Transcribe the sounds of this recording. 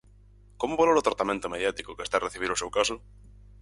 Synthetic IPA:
komoβololot̪ɾat̪amẽnt̪omeðjat̪ikokest̪areθiβ̞iɾosewkaso

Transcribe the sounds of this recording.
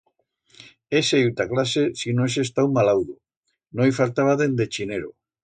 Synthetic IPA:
eseiwt̪aklasesinões̬est̪awmalawðu | nõjfalt̪aβaðend̪et͡ʃineɾo

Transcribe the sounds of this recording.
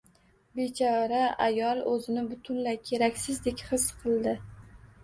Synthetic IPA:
be̞t͡ʃʰɒɾaajɒlˠɵzɪnɪbʊt̪ʰʊnlakʲʰe̞ɾakʲsɪzd̪e̞kʲχɨsqʰɨlˠd̪ɪ

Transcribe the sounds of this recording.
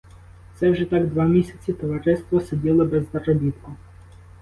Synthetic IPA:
t̪sɛwʒɛt̪ɑɡd̪ʋɑmʲisʲɐ̥t͡sʲit̪ɔʋɐɾɪst̪ʋɔsedʲilˠɔbɛzːɐrɔbʲit̪kʊ

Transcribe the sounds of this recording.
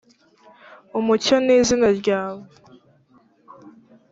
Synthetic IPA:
umucaniːzinaɾɟaːβu

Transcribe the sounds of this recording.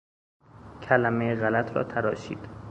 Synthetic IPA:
cʰælæmejeɣælæt̪ʰɾɒ̰ːt̪ʰæɾɒːʃḭːd̪̥

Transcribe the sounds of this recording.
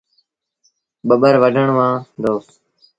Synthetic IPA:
ɓəɓəɾʋəɖʱəɳʋãːd̪oːs

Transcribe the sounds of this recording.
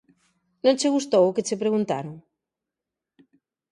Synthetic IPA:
nõnt͡ʃeɣust̪owʊket͡sepɾeɣunt̪a̰ɾoŋ

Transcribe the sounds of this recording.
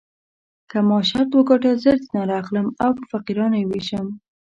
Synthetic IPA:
kamɑʃaɾt̪wəɡɑʈazəɾt͡snaɾɑxləmawpəfaqiɾɑnojeweʃəm

